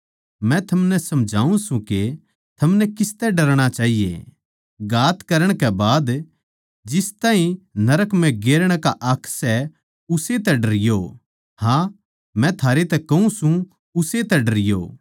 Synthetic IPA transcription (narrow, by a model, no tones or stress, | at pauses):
mɛ̃t̪ʰɐmnɛsɐmd͡ʒʱaːũsũke | t̪ʰɐmnɛkɪst̪ɛɖɐɾɽ̃at͡ʃaːɦijḛ | ɡaːt̪kɐɾəɽ̃kɛbaːd̪ | d͡ʒɪst̪ãːɦĩnɐɾəkmɛ̃ɡeːɾɽ̃kaʔɐkʰsɛ | ʊset̪ɛɖɐɾɪjo | hã | mɛ̃t̪ʰaːɾet̪ɛkɐũsũ | ʊset̪ɛɖɐɾɪjo̰ː